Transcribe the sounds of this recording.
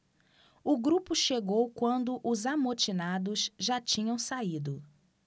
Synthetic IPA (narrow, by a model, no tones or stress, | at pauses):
ʊɡɾupʊʃeɡowkwɐ̃nd̪ʊʔʊzamot͡ʃinad̪ʊzʒat͡ʃĩɲɐ̃w̃said̪ʊ